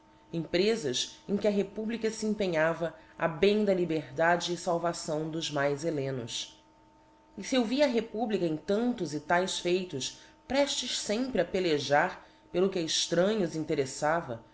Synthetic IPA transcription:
ẽpɾezɐsẽj̃kʲɪɐɦepublikɐsiẽpẽɲavɐa̰bẽj̃d̪ɐlibeɾd̪ad͡ʒɪːsawvasɐ̃w̃d̪ʊzmajzelẽnʊ̰s | ɪsiewviɐɦepublikɐẽj̃t̪ɐ̃nt̪ʊzɪt̪ajsfejt̪ʊspɾɛʃt͡ʃɪʃsẽmpɾɪɐpeleʒaɾ | pelʊkʲɐɪʃt̪ɾɐ̃ɲʊzĩnt̪eɾesavɐ

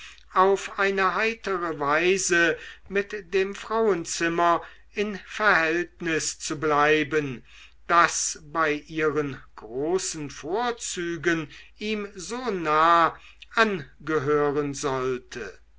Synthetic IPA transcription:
ʔaʊfʔaɪnəɦaɪtəʁəvaɪzəmɪtd̥eːmfʁ̥aʊənt͡sɪmɐ | ʔɪnfɛɐhɛltnɪst͡sublaɪbən | d̥asbaɪʔiːʁənɡ̥ʁoːsn̩foːɐt͡syːɡənʔiːmzoːnaː | ʔanɡəɦøːʁənzɔltʰə̰

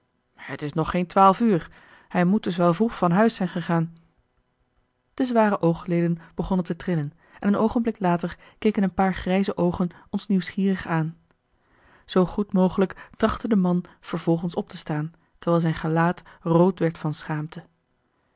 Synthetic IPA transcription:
hətɪsnɔχːejntʋaːlˠfyːɹ | hɛjmud̚dɵs̬ʋɛlˠvruχfɑnɦœɥsɛjnχəχaːn | d̥əzʋaːrəʔowχlejdənb̥əχɔnəntətrɪlən | ʔɛ̰nənowχənblɪklaːtəɹ | kejkənənpaːɹχrɛjzəʔowχənɔnsniwsχiːrəχaːn | z̥owχutmowχələktrɑχtədəmɑnv̥əɹv̥ɔlˠχənsɔp̚təstaːn | təɹʋɛːlˠzɛjnχəlaːtrowtʋɛɹtfɑnsχaːmtə

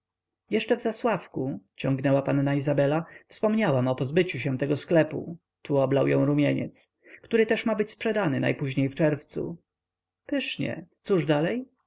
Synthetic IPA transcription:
jɛʂt͡ʂɛvzaswafkut͡ɕɔŋɡnɛwapanːaizabɛlafspɔmɲawamɔpɔzbɘt͡ɕuɕ̬ɛ̃t̪ɛɡɔsklɛpṵ | t̪ʰuɔblawjɔ̃w̃ɾumʲjeɲɛ̰t̪s | kt̪uɾɘt̪ɛʂmabɘt͡ɕspʂɛd̪anɘna̰jpuʑɲejft͡ʂɛɾft̪sṵ | pɘʂɲɛ̰t̪suʐd̪alɛj

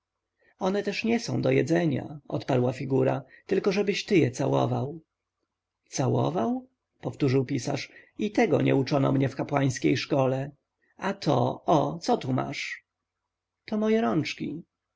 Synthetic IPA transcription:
ɔnɛt̪ɛʂɲɛsɔ̃w̃d̪ɔjɛd̪zɛɲa̰ɔ̰t̪paɾwafʲiɡuɾa̰t̪ɘlkɔʐɛbɘɕt̪ɘjɛt̪sawɔ̰vaw | t̪sawɔ̰vaw | pɔft̪uʐɘwpʲisa̰ʂit̪ɛɡɔ̰ɲɛ̰ut͡ʂɔnɔ̰mɲɛfkapwaj̃skʲejʂkɔlɛ | at̪ʰɔ̰ɔt̪sɔt̪uma̰ʂ | t̪ɔmɔjɛɾɔnt͡ʂkʲi

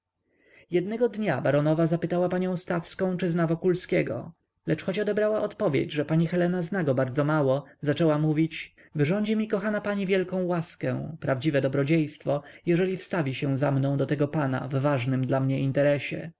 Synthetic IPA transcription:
jɛd̪nɛɡɔd̪ɲabaɾɔnɔvazapɘt̪awapaɲɔ̃w̃st̪afskɔ̃w̃t͡ʂɘznavɔkulskʲɛɡɔ̰ | lɛt͡ʂxɔt͡ɕɔd̪ɛbɾawaʔɔt̪pɔvʲjḛd͡ʑʐɛpaɲixɛlɛnaznaɡɔbaɾd̪zɔmawɔzat͡ʂɛwamuvʲit͡ɕ | vɘʐɔɲd͡ʑɛmʲikɔxanapaɲivʲjɛlkɔ̃w̃waskɛ̰̃pɾavd͡ʑivɛd̪ɔbɾɔd͡ʑejst̪fɔjɛʐɛlʲifst̪avʲiɕɛw̃zamnɔ̃w̃d̪ɔt̪ɛɡɔpana̰vːaʐnɘmd̪lamɲɛint̪ɛɾɛɕɛ̰

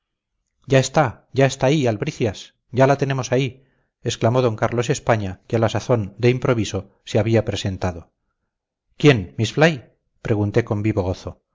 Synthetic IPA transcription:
ɟ͡ʝae̞st̪a | ɟ͡ʝae̞st̪aːialβɾiθjas | ɟ͡ʝalat̪e̞ne̞mo̞sai | e̞sklamo̞ðo̞ŋkaɾlo̞s̬e̞spaɲakealasaθo̞nd̪e̞impɾo̞βiso̞ | seaβiapɾe̞se̞nt̪aðo̞ | kje̞nmisflaj | pɾe̞ɣunt̪e̞ko̞mbiβo̞ɣo̞θo

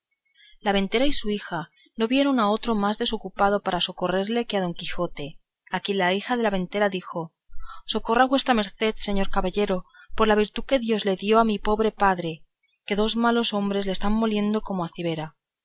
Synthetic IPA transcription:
laβ̞ẽ̞nt̪e̞ɾaisuixa | no̞βje̞ɾo̞nao̞t̪ɾo̞mazðe̞so̞kupað̞o̞paɾaso̞ko̞re̞ɾle̞keað̞o̞ŋkixo̞t̪e̞ | akje̞nlaixaðe̞laβe̞nt̪e̞ɾaðixo̞ | so̞ko̞raβwe̞st̪ɾame̞ɾθe̞ðse̞ɲo̞ɾkaβaʎe̞ɾo̞ | po̞ɾlaβ̞iɾt̪uke̞ðjo̞zle̞ðjo̞amipo̞βɾe̞paðɾe̞ | ke̞ðo̞zmalo̞so̞mbɾezlest̪amːo̞lje̞nd̪o̞ko̞moaθiβ̞e̞ɾa

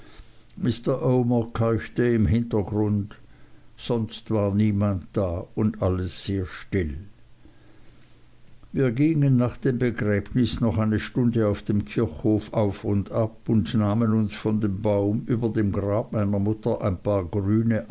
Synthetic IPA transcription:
mɪstəʔoʊməkʰaɪçtəɪmɦɪntɐɡʁʊnt | z̥ɔnstv̥aːɐniːmantd̥aːʊndʔaləsz̥eːɐʃtɪl | viːɐɡiŋənːaːχd̥eːmbəɡʁɛːbnɪsnɔχaɪnəʃtʊndəaʊfd̥eːmkʰɪɐçhoːfaʊfʊndapʊndnaːmənʊnsfɔndeːmbaʊmʔyːbɐdeːmɡʁaːb̚maɪnɐmʊtɐʔaɪnpʰaːɐɡʁyːnəʔ

